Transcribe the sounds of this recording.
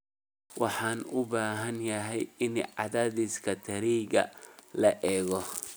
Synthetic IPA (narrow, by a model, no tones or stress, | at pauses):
wɑħɑːnʊbaːɦɐnjɐɦɛjɪnʕɑðaːðɪskʰɐt̪ʰɐɾiːɡɐ̰lɐʔɛːɣɔ